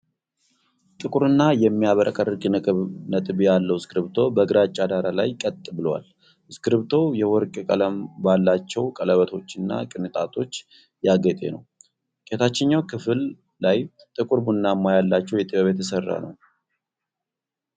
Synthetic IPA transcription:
t̪ʼɨkʼuɾɨnːajɛmːijaβəɾʔəkʼərɡʼnʼnət̪ʼɨbjalːəwskɨɾɨβt̪ʰo̞bəɡɨɾat͡ʃʼːad̪aɾalajkʼət̪ʼːɨbɨlwa̰l | skɨɾɨβt̪ʰo̞jɛwɔɾkʼkʼələmbalːat͡ʃːɛwkʼələβət̪ʰo̞t͡ʃːɨnːa̰kʼɨnɨt̪ʼat̪ʰo̞t͡ʃː | jaɡət̪ʼe̞̰nəw | kʼet̪at͡ʃːɪɲːawkʰɨfɨlː | aj | t̪ʼɨkʼuɾbunːamːajalːat͡ʃːɛwjɛt̪ʼiβəβet̪ʰəsərːa̰nə̰w

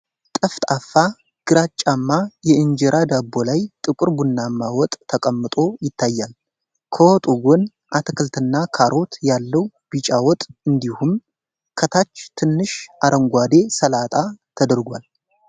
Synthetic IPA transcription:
t̪ʼəft̪ʼafːa | ɡ̥ɨɾat͡ʃʼːamːajɛɨɲd͡ʒɛɾʔad̪abːo̞lajt̪ʼɨkʼɨɾbunːamːawɔt̪ʼʰːəkʼəmːɨt̪ʼo̞jɪt̪ʰːajːal | kʰəwɔt̪ʼuɡon | ʔat̪ʰɨkʰɨlt̪ʰɨnːakʰaɾʔo̞t̪jalːəw | bit͡ʃʼawɔt̪ʼɨnd̪ihum | kʰət̪ʰat͡ʃːt̪ʰɨnːɨʃʔaɾʔəŋɡʷad̪e̞səlat̪ʼat̪ʰəd̪əɾɡʷal

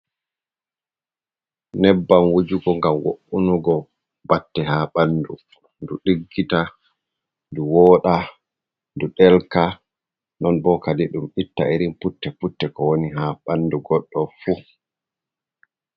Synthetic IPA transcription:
nɛbːamwod͡ʒuɡɔŋɡamwo̰ʔunuɡɔ | batːɛhaːɓandu | nduɗiɡːita | nduwɔːɗa | nduɗɛlka | nɔnbɔkadiɗumɓitːaeɾimputːɛputːɛkɔwoniɦaɓanːduɡɔɗːɔfu

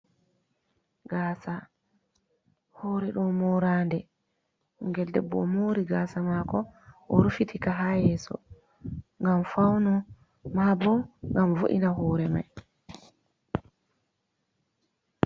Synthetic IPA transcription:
ɡaːsa | hɔːɾɛɗɔmɔɾaːndɛ | ŋɡɛldɛ̰bːɔ̰moɾiɡaːsamakɔʔɔɾufitʰikaɦajɛːsɔ̰ | ŋɡamfawnɔ | mabɔŋɡamvo̰ʔḭnaɦɔːɾɛma̰j

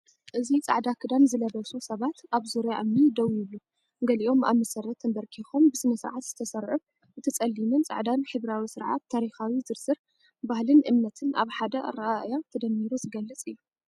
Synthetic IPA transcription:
ʔɨzit͡sʼa̰ʕd̪akʰɨd̪anzɨlɐβɐsusɐβat̪ʔaβzuɾjaʔɨmnid̪ɐwiɨβlu | ɡɐliʔo̞ma̰βmɐsɐrɐt̪ʰːɐnbɐɾkʰixombɨsɨnɐsɨɾʕat̪z̥ɨt̪ʰɐsɐɾʕu | ɨt̪ʰɐt͡sʼɐlːimɨnt͡sʼa̰ʕd̪anħɨβɾawisɨɾʕa̰t̪ʰːaɾixawizɨɾsɨɾ | bahlɨnʔɨmnɐt̪ʰɨnʔa̰βħad̪ɐɾɐʔaʔjat̪ʰɐd̪ɐmːiɾuzɨɡɐlːɐt͡sʼɨjːu

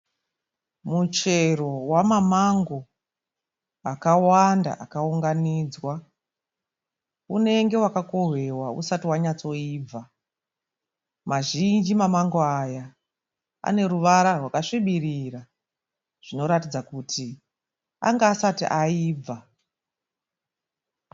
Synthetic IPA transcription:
mut͡ʃe̞ro̞wamamaŋɡo̞ | akawanda̰ʔakauŋɡaniːd͡zwa | une̞ŋɡe̞wakako̞ɦwe̞waṵsatiwaɲat͡so̞iːb͡va | maʒind͡ʒimamaŋɡo̞aja | a̰ne̞ɾuʋaɾarwakaʂiɓirira | ʐ̥ino̞ɾatid͡zakutʰi | a̰ŋɡaːsatiʔaiːb͡va

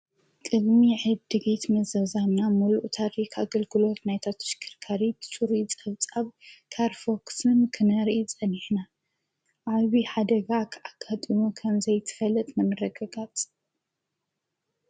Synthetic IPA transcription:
kʼɨd̪miʕɨd̚d̪ɨɡit̪mɐzɐzamnamuluʔt̪ʰaɾikʰaɡɐlɡɨlo̞t̪najt̪ʰat̪ʰɐ̥ʃkʰɨɾkʰaɾit̪ɨ̥t͡sʼuɾit͡sʼɐβt͡sʼaβkʰaɾfoksɨnkʰɨnɐɾit͡sʼɐniħna | ʔaβiħad̪ɐɡakʰʔaɡ̥at̪ʼimukʰɐmzɐjt̪ʰɨ̥fɐlɐt̪ʼmɐnɨrɐɡaɡat͡sʼ

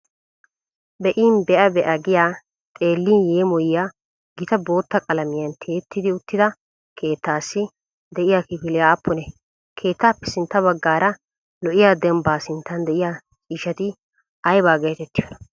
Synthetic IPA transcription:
bɛʔiːnbɛʔɐbɛʔɐɡɪjaː | t̪ʼe̞ːlːiːnjeːmɔjɪjaː | ɡɪt̪ɐbo̞ːt̪ːɐkʼɐlɐmɪjɐnt̪ʰeːt̪ːɪd̪ɪʊt̪ːɪd̪ɐ | kʰe̞ːt̪ːaːsːɪ | d̪ɛʔɪjaːkɪpɪlɪjaːpːʊnɛ | kʰe̞ːt̪ːaːpːɛ̥sɪnt̪ːɐβɐɡːaːɾɐ | lɔʔɪjaːd̪ɛmbaːsɪnt̪ːɐnd̪ɛʔɪjaː | t͡ʃʼiːʃɐt̪ɪ | ɐjbaːɡe̞ːt̪ɛt̪ːɪjonɐ̥

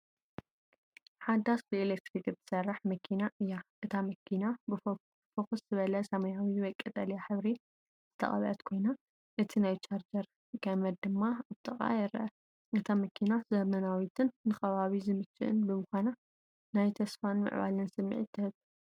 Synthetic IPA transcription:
ħad̪ːasbɨelekt̪ɾikz̥ɨ̥sɐrːaħmɐkʰinaʔɨjːaʔɨt̪ʰamɐkʰinab | fɐxuszɨβɐlɐsɐmɐjawibɐkʼːɐt̪ʼɐlijaħɨβɾi | z̥ɨt̪ʰɐ̰χʼɐ̰βɐ̰ʔɐt̪kʰo̞jna | ʔɨt̪ʰinajt͡ʃaɾd͡ʒɐɾ | kɐmɐd̪̚d̪ɨmːaβt̪ʰʼɨχʼa̰jɛɾɐ̰ɐ | ʔɨt̪ʰamɐkʰinazɐmɐnawit̪ʰɨnːɨxɐβaβizɨmɨt͡ʃːɨ̰ʔɨ̰nbɨmɨxʷana | najt̪ʰɐsfanmɨ̰ʕβa̰lɨnsɨmːḭʕit̪ʰːɨhɨβ

